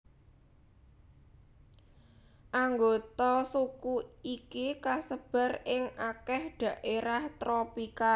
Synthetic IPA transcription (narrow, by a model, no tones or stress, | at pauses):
ʔaŋɡot̪ɔsukuikikasəb̥a̤rɪŋakɛhɖ̥ä̤ʔeɾaht̪ɾopika